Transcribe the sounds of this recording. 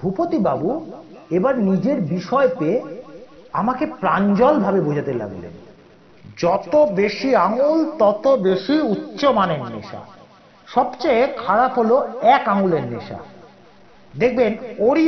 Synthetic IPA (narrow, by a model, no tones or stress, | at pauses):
bʱupot̪ibabu | ebaɾnid͡ʑeɾbiʃɔepe | amakepɾand͡ʑɔlbʱabebod͡ʑʱat̪ela̰ɡlḛn | d͡ʑɔt̪obeʃiaŋult̪ɔt̪obeʃiutːɕomanenːḛʃa̰ | ʃɔbt͡ɕaekʰaɾapɦoloɛkaŋuleɾneʃa̰ | d̪ek̚ʰbenoɾi